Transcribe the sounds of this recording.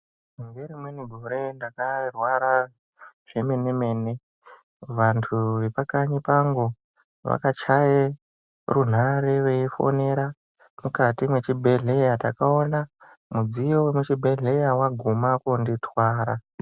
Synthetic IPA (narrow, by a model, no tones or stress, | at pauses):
mumbeɾimweniɡʱoɾe̞ndakarwaɾa | ʐ̥eme̞neme̞ːne̞ | ʋantʰuʋe̞pakaɲipaŋɡo | ʋa̰kat͡ʃaje | run̤aɾe̞ʋe̞ifo̞̰ne̞ɾa | mukatimwe̞t͡ʃibʱe̞ɮe̞jatakao̞na | mud͡zijowemut͡ʃibʱe̞ɮe̞jawaɡʱumakunditwaːɾa